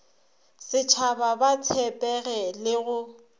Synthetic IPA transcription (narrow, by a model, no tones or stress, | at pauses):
sɪt͡ʃʰababat͡sʰɛpʼɛɣɛlɪɣʊ